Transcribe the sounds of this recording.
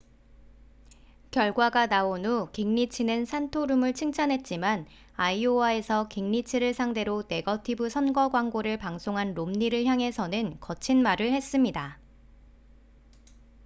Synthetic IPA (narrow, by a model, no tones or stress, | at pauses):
kjʌɭɡwaɡanaonukiŋɲit͡ɕʰinensʰantʰoɾumɯɭt͡ɕʰiŋt͡ɕʰanɦe̞t̚t͡ɕ͈iman | aioae̞sʰʌkiŋɲit͡ɕʰiɾɯɭsʰaŋde̞ɾone̞ɡʌtʰibɯsʰʌnɡʌɡwaŋɡoɾɯɭpaŋsʰoŋɦanɾomɲiɾɯɭçjaŋɦe̞sʰʌnɯnkʌt͡ɕʰinmaɾɯɭhe̞s͈ɯmɲida